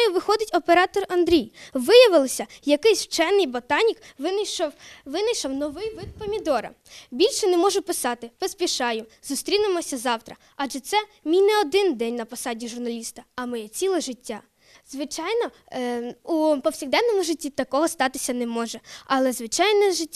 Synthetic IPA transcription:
jʊʋɪxɔd̪ɪtʲɔpeɾɑt̪ɔrɐnd̪ɾʲijʋɪjɐʋɪlˠɪsʲɐjɐkɪsʲwt͡ʃɛnɪjbɔt̪ɑnʲikʋɪnɐjʃɔwʋɪnɐjʃɐwnɔʋɪjʋɪd̪̚pɔmʲid̪ɔɾɐ̰ | bʲilʲʃɛnɛmɔʒʊpɪsɑt̪ɪpɔspʲiʃɑjʊzʊst̪ɾʲinɪmɔsʲɐzɑwt̪ɾɐ | ɑdʒɛt̪sɛmʲijnɛɔd̪ɪnd̪ɛnʲnɐpɔsɑdʲiʒʊrnɐlʲist̪ɐɐmɔjɛt͡sʲilˠɛʒɪtʲːa | zʋɪt͡ʃɑjnɔ | upɔwsʲiɣd̪ɛnːɔmʊʒɪtʲːit̪ɐkɔɦɔst̪ɑt̪ɪsʲɐnɛmɔʒɛɐlˠɛzʋɪt͡ʃɑjnɛʒɪtʲː

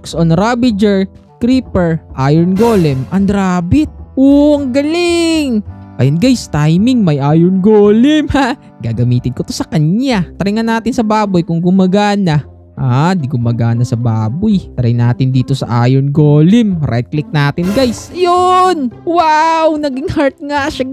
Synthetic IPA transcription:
ksonɾabɪd͡ʒɛɹ | kɾiːpɛɹʔaːjɛɹnɡoːlɛmʔɐnd̪ɾaːbɪt̪̚owɐŋɡɐlɪŋʔɐ̰jʊnɡajst̪ajmɪŋmɐjʔaːjonɡoːlɪmha | ɡaːɡɐmiːt̪ɪd̪̚kot̪o̞sɐkɐɲɲat̪ɐɾɪŋɐnːaːt̪ɪnsɐbaːbʊjkʊŋɡʊmɐɡaːnɐ | ʔaːd̪iɡʊmɐɡaːnɐsɐbaːbʊjt̪ɐɾɐjnaːt̪ɪnd̪iːt̪o̞sɐ̰ʔa̰ːjonɡoːlɪmɾʔɛ̰d̪̚klɪk̚naːt̪ɪnɡajsjonwawnɐɡɪŋhaɹt̪̚ŋaʃa

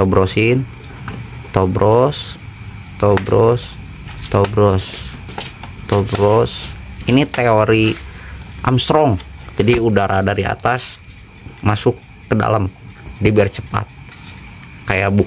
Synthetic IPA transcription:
t̪obɾosɪn | t̪obɾʔɔs | t̪obɾɔs | t̪obɾɔs | t̪obɾɔsinit̪eoɾi | ʔa̰mst̪ɾɔŋd͡ʒadiudaɾʔadaɾia̰t̪as | masʊkː | əda̰lamdibiart͡ʃəpa̰t̪̚ | kajabu

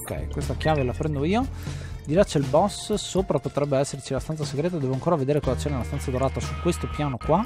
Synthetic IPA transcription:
okɛ̰jkwest̪akjaːvelafɾɛnd̪oiːod̪iɾat͡ʃːelbɔsːoːpɾapot̪ɾɛbːeɛsːert͡ʃilast̪ansaseɡɾeːt̪ad̪ɛːvoaŋkoːɾaved̪eːɾekɔːzat͡ʃɛnelast̪ansad̪oɾaːt̪asukwest̪opjaːnokwa

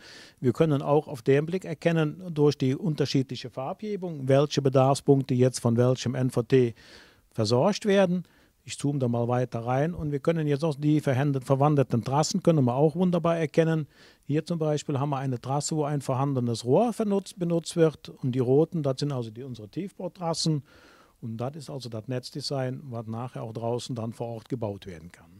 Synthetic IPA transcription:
viːɐkʰœnəna̰ʊxaʊfd̥eːmblɪkɛɐkʰɛnəndʊɐçd̥iːʔʊntɐʃiːtlɪçəfaapheːbʊŋvɛlçəbədaɐfspʊŋktəjɛt͡stfɔnvɛlçəmʔɛnfotʰeː | fɛɐzɔɐçtv̥eːɐdn̩ | ɪçt͡suːmədaːmaːlvaɪtɐʁaɪnʊntv̥iːɐkʰœnənjɛt͡staʊxd̥iːfɛɐhɛfɛɐvandl̩tn̩tʁ̥asn̩kœnənmiːɐaʊxvʊndɐbaːɛɐkʰɛnən | hiːɐt͡sʊmbaɪʃpiːlɦaːmviɐʔaɪnətʁ̥asəvoːaɪnfoːɐɦandənəsʁoːɐfɛɐnʊt͡stb̥ənʊt͡stv̥ɪʁtʊnt̚d̥iːʁoːtn̩datz̥ɪntʔalzodiːʊnzəʁətʰiːfb̥aʊtʁasn̩ | ʊntd̥atɪstʔalzodatnɛt͡sd̥ɪzaɪnvasnaːχheːɐʔaʊxd̥ʁaʊsn̩danfoːɐʔɔʁt̚ɡ̥əbaʊtv̥eːɐdn̩kʰan

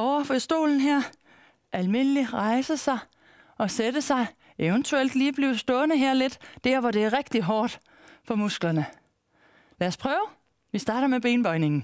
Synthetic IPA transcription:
ɒʊ̰ɐfɒsd̥o̝̰ːln̩ɦæɐ̰ | ʔælme̝n̰liʁɑ̈ɪsəsɑ̈ɪ | ɒ̽sedəsɑ̈ɪ | eʊənt͡sʰuel̰d̥liːb̥liːʊsd̥ɔ̽ːnəɦæɐ̰le̝d̥d̥æɐ̰ʋɒɾe̝æɐʁɛɡ̥̚d̥iɦɒːd̥ | fɒ̽musɡ̥lɐnə | læːɐspʰʁœːʊ | ʋisd̥ɑ̈ːɾ̥ɐmeb̥e̝ːnb̥ɒ̽ɪne̝ŋn̩

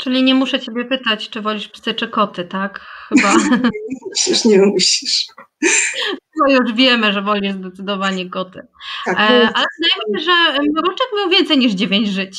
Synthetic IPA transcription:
t͡ʂɘlʲiɲɛmuʂɛt͡ɕebʲjɛpɘt̪at͡ɕt͡ʂɨvɔlʲiʂpʲi̥sɛt͡ʂɛkɔt̪ɘt̪akxɘba | ɕiʂɲɛmuɕliʂ | ɔjuʐvʲjɛmɘʐɛvɔlʲiʐzd̪ɛt̪sɘd̪ɔvaɲɛkɔt̪ɘ̰ | ʔalɛnajmʐɛɾɔʂtɛkmʲɛwvʲjɛnt̪sɛjɲiʐd͡ʑevʲjeɲd͡ʑʐɘt͡ɕ

